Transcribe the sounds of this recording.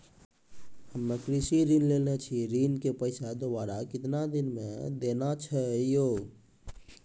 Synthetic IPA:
həmnəkɾisiɾinlelnet͡ʃʰiɾinkepəɪt͡ʃʰad̪obaɾakɪt̪nad̪inmḛd̪enat͡ʃʰəjo

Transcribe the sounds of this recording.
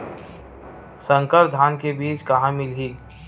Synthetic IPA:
sə̃ŋkəɾd̪ʱaːnkebiːt͡ʃkɐɦãmɪlɦiː

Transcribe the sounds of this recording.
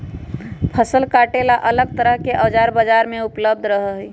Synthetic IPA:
pʰəsəlkaʈelaʔələɡ̚t̪əɾəɦkeʔəd͡ʒaɾbəd͡ʒaɾmẽupləb̚d̪ʱɾəɦəɦi

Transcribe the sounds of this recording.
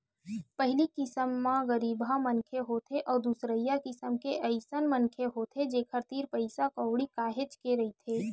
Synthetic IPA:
pəɦɪlikɪsəmːãɣəɾiːbʱamənkʰeɦoːt̪ʰeʔɔːɾd̪usɾəjakɪsəmkeʔəɪsənmənkʰeɦoːt̪ʰed͡ʒeːkʰəɾt̪iːɾpəɪsakəwɽikaːɦet͡ʃkeɾɐɦit̪ʰeː

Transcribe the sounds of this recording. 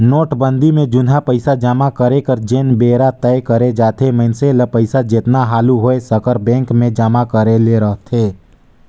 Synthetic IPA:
noːʈbə̃nd̪imẽd͡ʒʊnɦapəɪsad͡ʒaːmakəɾekəɾd͡ʒenbeːɾat̪ɛɪkəɾed͡ʒaːt̪ʰeməɪnseləpəɪsad͡ʒɪt̪naɦaːluɦoesəkəɾbɛ̃ːŋkmẽd͡ʒaːmakəɾeleɾəɦt̪ʰeː

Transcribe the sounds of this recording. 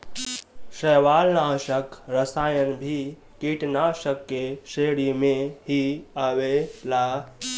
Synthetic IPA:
səʋaːlnaːʃəkɾəsaːjənbʱi | kiʈnaːʃəkːeseɽimẽɦiawela

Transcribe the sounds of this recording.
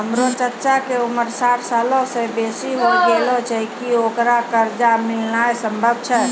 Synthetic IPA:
ɦəmɾot͡ʃəɾt͡ʃakeuməɾsaɾsalõsẽbesiɦoɡelot͡ʃəikiokɾakəɾd͡ʒamɪlnaesəmbʱəb̚ʱt͡ʃʰɛ

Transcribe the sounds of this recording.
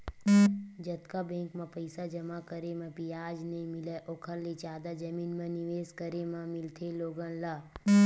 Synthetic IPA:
d͡ʒət̪kabẽːkmãpəɪsad͡ʒəmakəɾemẽpijaːd͡ʒnɐĩmɪleʔoːkʰəɾlet͡ʃaːd̪ad͡ʒɐmiːnmẽnɪʋeːskəɾemãmɪlt̪ʰeloːɡə̃nlaː

